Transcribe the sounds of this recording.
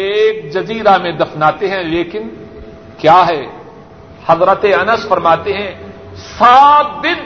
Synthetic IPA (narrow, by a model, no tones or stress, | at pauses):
eːk̚d͡ʒɐziːɾamẽd̪ɐfnaːt̪eɦɛ̃leːkɪn | kjaːɦɛː | hɐzɾət̪eɐnəsfɐɾmaːt̪eɦɛ̃ | saːt̪̚d̪ɪn